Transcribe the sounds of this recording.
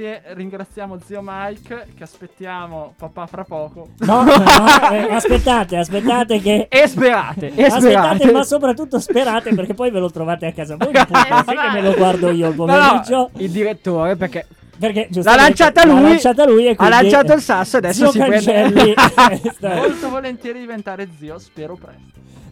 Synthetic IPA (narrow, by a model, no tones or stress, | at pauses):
jeriŋɡɾat̪sjaːmod̪ziomajkkeaspet̪ːjaːmopapafɾapːɔːkonɔ | ɛaspet̪ːaːt̪easpet̪ːaːt̪ekeɛspeɾa̰ːt̪easpetaaːt̪emasːopɾat̪ːut̪ːospeɾaːt̪eperkepːɔjvelot̪ɾovaːt̪eakːaːzavojaksiemeloɡward̪oiːoalpomeɾid͡ʒoild̪iɾet̪ːoːɾeperke | perked͡ʒuslalant͡ʃaːt̪alujt͡ʃaːt̪̬alujekːwialːanit͡ʃaːoilsasːoead̪ɛsːioskat͡ʃɛlːist̪alt̪ovolent̪jɛːɾid̪ivent̪aːɾed̪ziːospɛːɾopɾɛst̪o